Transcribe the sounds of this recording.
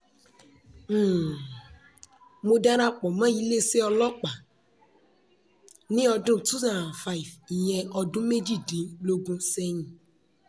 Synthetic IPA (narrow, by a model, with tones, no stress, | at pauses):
mo˧dã˦ɾa˦k͡pɔ˨mã˨˦i˦le˦se˦ɔ˧lɔ˦k͡pa˨ | nĩ˦ɔ˧dũ˦tu˦zã˨n˨fa˦i˨vi˨j̃ɛ̃˧ɔ˧dũ˦me˦d͡ʒi˦˨dĩ˨˦lo˧ɡũ˧sɛ˧ɲĩ˨